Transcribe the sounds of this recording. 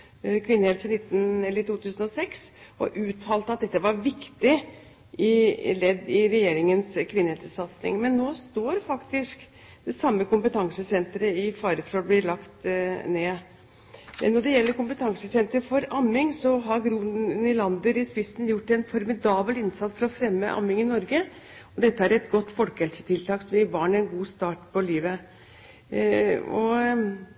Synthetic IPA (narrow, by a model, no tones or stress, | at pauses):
kʰʋɪnːəheːlsɪnɪt̪ːnɛlːət̪uːt̪ʰʉːsənɔsɛksʔɔ̰ʔʉːt̪ʰɑːlt̪əɑt̪̚d̪ɛt̪ːəʋɑɾʋɪkt̪ɪ | ʔɪlɛd̪ːɪɾɛjeːɾɪŋənskʰʋɪnːəɛlssɑt̪snɪ̰ŋmɛnːoːst̪oːɾfɑkt̪ɪsk | d̪̥ɛsɑmːəkʊmpət̪ʰɑŋsəsɛnt̪ɾəɪfɑːɾəfɾɑblɪɭɑkt̪neː | nɔɖɛjɛlːəɾkʊmpət̪ʰɑŋsəsɛnt̪əɾfɔɾɑmːɪŋsɔɦɑɾɡɾuːnənɪlɑnd̪əɾɪspɪsn̩jʊʈːɛnfɔɾmɪd̪ɑːblɪnsɑt̪sfɔɾɔfɾɛmːə̰ʔɑ̰mːɪŋɪnɔɾɡə | ɔd̪ɛt̪ːəæɾɛt̪ɡɔt̪ːfɔlkəɛlsə̥t̪ʰɪlt̪ʰɑːksɔmjɪbɑːɳɛnɡuːst̪ɑːʈpʰɔliːʋə | ɔ̰